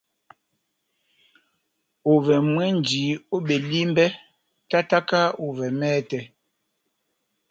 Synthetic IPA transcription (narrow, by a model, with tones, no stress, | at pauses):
o˨vɛ˨mwɛ˦n˨d͡ʒiː˨˦o˦ɓe˨li˦m˦bɛ˦ | ta˦ta˦ka˦o˨vɛ˨mɛː˦tɛ˨